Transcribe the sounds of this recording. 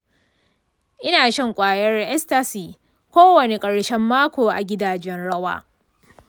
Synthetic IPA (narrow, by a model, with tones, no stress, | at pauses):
ʔɪ˦naː˨ʃɐ˦ŋkʷʼaː˨jɐ˦rʔɛ˦sta˦siː˨ | kʷoː˦wɐ˨ne˨kʼɐ˨ɽʃɛ˦mːaː˦kʷoː˨ʔa˨ɡʲɪ˦daː˨d͡ʒɛ˦nɽɐ˦wa̰ː˦